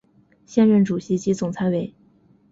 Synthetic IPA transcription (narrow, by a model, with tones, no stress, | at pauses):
ɕjɛ˥nɻə˥nʈ͡ʂu˨˩ɕi˧˥t͡ɕi˧˥t͡sʊ˨˩ŋt͡sʰa˧˥ɪwe˨˩ɪ